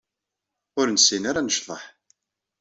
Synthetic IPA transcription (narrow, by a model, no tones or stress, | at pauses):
ʊɾnsinaɾanəʃðˤəħ